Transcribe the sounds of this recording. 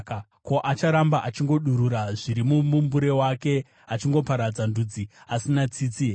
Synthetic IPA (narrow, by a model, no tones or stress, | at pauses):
ko̞ʔat͡ʃaɾambaʔat͡ʃiŋɡo̞ɗuɾuɾaʐiɾimumumbuɾe̞wake̞ | at͡ʃiŋɡo̞paɾad͡zandud͡ziasinat͡siːt͡si